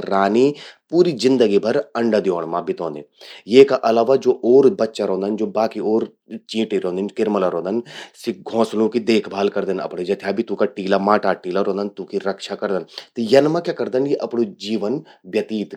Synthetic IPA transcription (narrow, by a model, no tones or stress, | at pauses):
ɾaːnipuːɾizɪ̃nd̪əɡibʱɐɾɐ̃ɳɖad̪joːɳ̃mãbʱit̪õːnd̪e | jeːkaʔɐlaːʋad͡ʒoːʔoːɾbɐtːʃaɾõːnd̪ənd͡ʒoːbaːkioːɾ | t͡ʃĩːʈiɾõːd̪ɪnkɪɾməlaɾõːnd̪ənsiɡʱõːslũkid̪eːkʰbʱaːlkɐɾd̪ənɐ̰pɽed͡ʒɐt̪ʰjaːbʱit̪ũkaʈiːlamaːʈaʈiːlaɾõːnd̪ənt̪ũkiɾɐkʃakɐɾd̪ənt̪jɐnmãkjakɐɾd̪ənkiʔɐpɳod͡ʒiːʋənbjɐt̪iːt̪